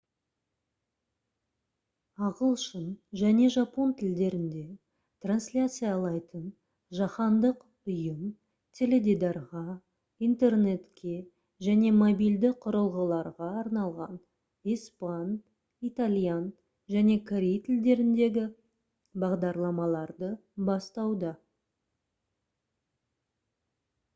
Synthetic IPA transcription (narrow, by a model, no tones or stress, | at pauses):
ɑʁəlˠʃənʒæne̞ʒɑpo̞nt̪ʰɪld̪e̞ɾɪnd̪e̞ | t̪ranslʲat̪sɨjalˠɑjt̪ən | ʒɑχɑnd̪əq | ʊjəm | t̪ʲʰe̞le̞d̪id̪ɑɾʁɑ | ijnt̪e̞rne̞t̪kʲʰe̞ | ʒæne̞mobijld̪ɪqʰʊɾəlˠʁəlˠɑɾʁɑːɾnɑlˠʁɑ̰n | ispan | it̪alʲjan | ʒæne̞kʰaɾʲejt̪ʰɪld̪e̞ɾɪnd̪e̞ɡʲɪ | bɑʁd̪ɑɾlˠɑmɑlˠɑɾd̪əbɑst̪ɑwd̪ɑ